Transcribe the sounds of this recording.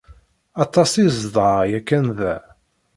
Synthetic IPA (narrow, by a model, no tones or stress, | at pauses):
ɑt̪ˤɑsizðˤɑjækːænðæ